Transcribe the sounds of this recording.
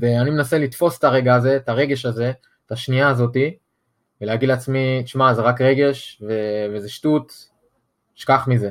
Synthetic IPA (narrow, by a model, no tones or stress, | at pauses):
eanime̞nase̞litfo̞st̪aʁe̞ɡaːze̞taʁe̞ɡe̞ʃaze̞ | taʃniaːzo̞ti | veleaɡid̪lat͡smit̪iʃmazeʁakʁe̞ɡe̞ʃvevezeʃtut | ʃkaχmize̞